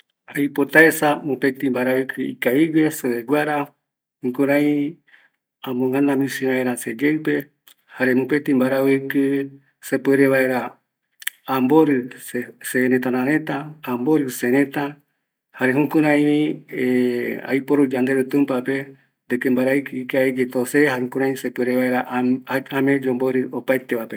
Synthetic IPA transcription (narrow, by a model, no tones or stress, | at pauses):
ajpot̪aesamũpet̪ĩmbaɾaɨkʰɨḭkaiweseβeɡʷaɾa | hũkuɾãĩ | ãmõŋãnãmĩsĩβaeɾased͡ʒeɨpe̞ | haɾe̞mũpet̪imbaɾaekɨ | sepeɾeβaeɾaː | mboɾɨseɾet̪anãɾẽt̪aːmboɾɨseɾẽt̪a | haɾeɦũkũɾãĩiea̰jpoɾud͡ʒand̪eɾut̪ũmpape | d̪ekembaɾaikikaed͡ʒet̪osehaeukũɾãĩsepeɾeβaeɾaʔamẽd͡ʒomboɾɨopaet̪eβape